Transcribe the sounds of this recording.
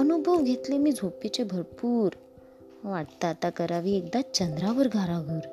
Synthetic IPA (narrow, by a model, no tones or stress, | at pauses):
ənubʱəʋɡʱet̪lemiːd͡zʱopit͡ɕebʱəɾpuːɾ | ʋaʈt̪aːt̪akəɾaʋiːek̚d̪at͡ɕənd̪ɾaʋəɾɡʱaɾaɡʱuːɾ